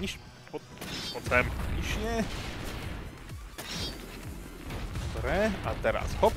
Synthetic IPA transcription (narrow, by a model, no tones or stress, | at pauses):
iʃ | pʰɔ | pɔt̪ɛmʲiʃɲɛ | bɾɛat̪ɛɾa̰sxɔp